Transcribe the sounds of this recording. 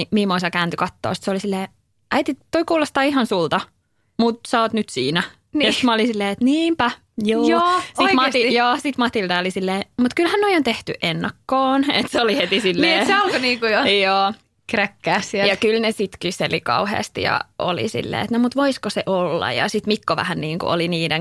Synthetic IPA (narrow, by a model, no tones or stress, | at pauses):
imimoisɑkæːnt̪ykɑt̪ːo̰ːsi̥t̪seolisilːeː | ʔæit̪it̪ːoikuːlost̪ɑːihɑnsult̪ɑ | mut̪sɑoːt̪nyt̪siːnæ | nomɑolisilːeːet̪niːmpæ | juːjoːsitmɑt̪ijoːsit̪mɑt̪ilt̪ɑolisilːeːmut̪kylhænnoiont̪eht̪yʔenːɑkːoːnḛt̪seolihet̪isilːeeseolkoniːŋkujojoː | krækːæːsijɑkylnesit̪kyselikɑ̰uhḛːst̪ijɑ̰ʔo̰lḭsḭlːḛːet̪nomut̪ʋoiskoseʔolːɑ̰jɑ̰sit̪mikːoʋæ̰hænniːŋkṵo̰liniːdeŋ